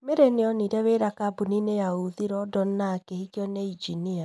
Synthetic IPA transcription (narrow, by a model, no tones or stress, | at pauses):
meɾeneɔniɾaweɾakabuninejauðiɾɔdɔnnakehikjɔneid͡ʒinia